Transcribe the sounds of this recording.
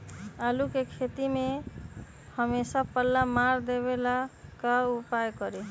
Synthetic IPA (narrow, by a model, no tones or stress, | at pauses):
alukekʰet̪ime | həmesapəlːamaɾd̪eβelakaupajkəɾe